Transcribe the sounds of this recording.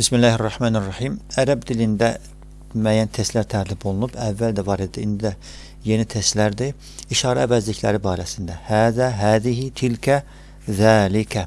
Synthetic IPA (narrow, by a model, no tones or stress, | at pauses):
b̥ismilːaːharˤːɑħmaːnarːɑħimæɾæbd̪ilind̪æ | mæjænt̪ʰe̞st̪læɾt̪ʰæɾlibo̞lˠunubævːæld̪ævɑɾed̪iind̪id̪æ | je̞nit̪ʰest̪læɾd̪i | iʃɑːɾæ̰ːvæzliçlæ̰ɾibɑːɾæsind̪æhaːðæɦaːðiɦit̪ʰilkʰæ | ðaːlikʰæ